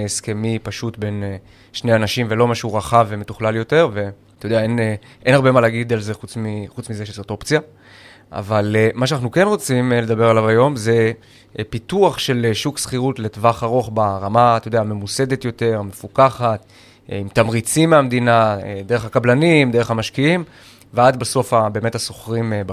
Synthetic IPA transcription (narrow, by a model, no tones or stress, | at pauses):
eskemipaʃut̪be̞n | ʃne̞janaʃimvelo̞maʃeuʁaχavemetuχlaljo̞te̞ʁve̞ | t̪ojdeaen | ʔe̞naʁbe̞malaɡid̪alze̞χut͡smiχut͡smizeʃesot̪o̞pt͡sja | ʔa̰valmaʃeanaχnuke̞nʁo̞t͡simle̞d̪abe̞ʁalavajo̞mze̞ | pituaχʃe̞lʃuksχiʁutletvaχaʁo̞χbaʁamat̪ojodeame̞muse̞d̪e̞t̪jo̞te̞ʁme̞fukaχat̪ | imt̪amʁit͡simːeamd̪inad̪e̞ʁeχakablanimd̪eʁeχhamaʃkiim | vead̪baso̞fabeːme̞taso̞χʁimba